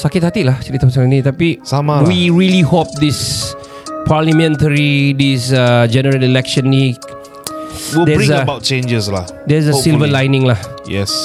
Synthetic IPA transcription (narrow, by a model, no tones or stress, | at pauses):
sakɪt̪̚hat̪ilaht͡ʃaɾit̪ːapsaknit̪apisamawiɹilihop̚d̪is | pʰaləmɛ̃ntəɹidisəd͡ʒɛnəɹəlilɛkʃə̃nːi | wid̪ɛĩzəəbaʊt̚t͡ʃẽnd͡ʒəsla̰ | dɛzəsilvəlajnɪ̃ŋlah | jɛ̰s